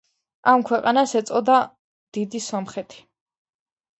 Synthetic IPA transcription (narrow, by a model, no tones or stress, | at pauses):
amkʰwɛqʼanasɛt̪sʼɔd̪a | d̪̥id̪isɔmχɛt̪ʰi̥